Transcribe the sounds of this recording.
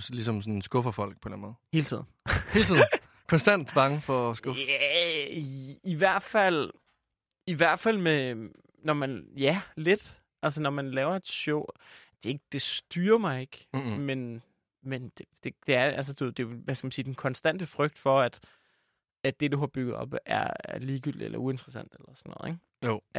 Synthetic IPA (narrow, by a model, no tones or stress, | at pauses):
slisɒ̽msɔnsɡ̥ɔ̽fɐfɒ̽l̰ɡ̥̚pʰɒ̽enænmɔ̽ːð̩ˠhe̝ːlət͡sʰḭð̰ˠn̩he̝ːlt͡sʰið | kʰɒnsd̥æn̰d̥b̥ɑ̈ŋəfɒsɡ̥ɔæ | iʋæɐ̰d̥fæl̰ | iʋæɐ̰d̥fæl̰me | nɒmænjæle̝d̥ | ʔæls̬ənɒmænlɛːʊɐe̝d̥ɕɔʊ̰d̥e̝e̝ɡ̥əd̥e̝sd̥yːɐmɑ̈ɪe̝ɡ̥men | mend̥e̝d̥e̝d̥e̝æɐæls̬əd̥ue̝ð̰ˠd̥e̝ʋæskæmænsiːd̥enkʰɒ̽nsd̥æn̰d̥əfʁœɡ̥̚d̥fɒ̽æd̥ | æ̥e̝d̥uɦɑ̈b̥yɡ̥ð̞̩ˠɒ̽b̥æɐɐliːɡ̥yl̰d̥iḛlɐue̝nt͡sʰʁəsæn̰d̥elɐsɒnːɔ̽ːð̩̰ˠe̝ɡ